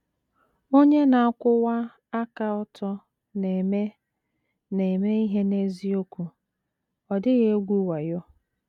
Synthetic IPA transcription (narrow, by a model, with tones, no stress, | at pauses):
o˦ɲe˦na˨a˦kʷʊ˦wa˦ | a˦ka˦ɔ˦tɔ˦ | ne˨me˦ | ne˨me˦i˦ɦe˦ne˦zi˦o˦kʷu˨ | ɔ˨dɪ˦ɣe˦ɡʷu˦wa˨jʊ˦